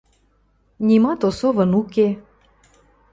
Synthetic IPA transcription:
nʲimɑt̪osovənuke

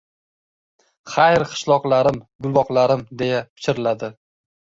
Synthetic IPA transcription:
χajɾqʰɨ̥ʃlˠɒqlˠaɾɪmɡʊlˠvɒqlaɾɪmd̪e̞japʰɪ̥t͡ʃʰɪɾɪlad̪ɪ

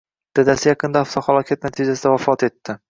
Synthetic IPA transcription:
d̪̥ad̪asɪjɑqʰɨnd̪aːft̪ɒhalˠɒkʲʰat̪̚nat̪ʰɪd͡ʒasɪd̪avafɒt̪e̞t̪ʰːɪ

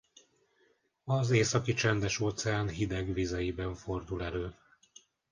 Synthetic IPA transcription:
ɒzeːsɒkit͡ʃɛnd̪ɛʃoːt̪sɛaːnɦid̪ɛɡʋizɛjibɛɱfo̞rd̪ulɛløː

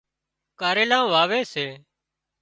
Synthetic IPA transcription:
kaːɾeːlãːʋaːʋeːseː

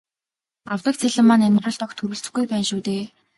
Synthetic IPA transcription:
awt̪ə̆k̚t͡sʰæɮə̆mːanæmrə̆ɮt̪ɔkt̪ʰːɵɾɘ̆ɬt͡sɘ̆ɡujpæːnʃuːt̪eː

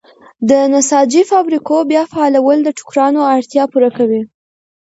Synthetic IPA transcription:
d̪ənasɑd͡ʒifɑbɾikobjɑfaːlawəld̪əʈʊ̥kɾɑnoaɽt̪jɑpuɾakawi

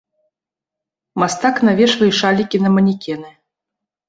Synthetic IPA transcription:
mast̪aknavʲɛʂvɨjʂalʲikʲinɐmɐnʲikʲɛnɨ

